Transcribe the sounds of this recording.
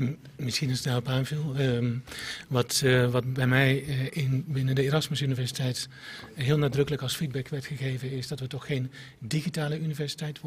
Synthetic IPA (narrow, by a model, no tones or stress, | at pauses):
mɪsxinənsnɛləpaːnfilˠ | ʋɔtʋɑt̚bɛjmɛjɪnbɪnəndəeːɾɑsməsynivɛrsitɛjt | ɦiəlˠnadrɵkələkɑlˠsfid̚bɛkʋɛɹtxəɣeːvənɪsdɔtʋətɔxxeːn | dixitaːləynivɛɹsitɛjtʋ